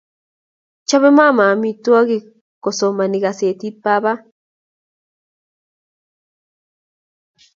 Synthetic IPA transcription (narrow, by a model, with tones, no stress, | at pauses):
t͡ʃa˦βe˦ma˦˨ma˨mi˦t̪wa˦ɣi˦ | ko˨so˨ma˨ni˨ɣa˨se˨t̪i˦t̪̚pa˦βa˦